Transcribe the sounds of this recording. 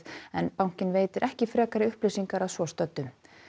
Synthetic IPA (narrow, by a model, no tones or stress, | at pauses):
ɛnpawŋ̥cɪnveːjt̪ɪɾʔɛhcɪfɾɛːkaɾɪʏhplisiŋkaɾaðsvɔst̪œt̪ːʏm